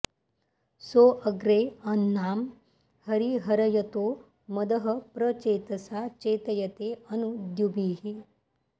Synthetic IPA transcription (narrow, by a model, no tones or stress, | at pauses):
soʔəɡɾeɐnːaːm | hɐɾiɦɐɾɐjɐt̪o | mɐd̪əɦəpɾət͡ʃet̪ɐsat͡ʃeːt̪əjɐt̪eɐnud̪jubiːɦi